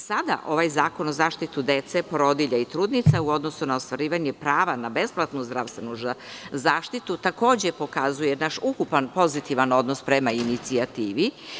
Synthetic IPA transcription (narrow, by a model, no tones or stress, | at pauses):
sad̪a̰ʔo̞ʋajzaːko̞nozaːʃt̪it̪ud̪et̪sepɾo̞d̪iʎait̪ɾuːd̪nit̪sauo̞d̪nosunaost̪ʋaɾiːʋaɲepɾaːʋanabe̞splˠat̪nuzd̪ɾaʋst̪ʋe̞nuzzaːʃt̪it̪ut̪ako̞ːd͡ʑepo̞kazujenaʃukupanpo̞zit̪iʋano̞d̪no̞spɾemainit̪siat̪iːʋi